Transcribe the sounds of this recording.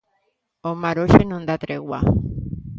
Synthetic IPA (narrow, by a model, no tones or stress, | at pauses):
omaɾoʃenõnd̪at̪ɾeɣwa̰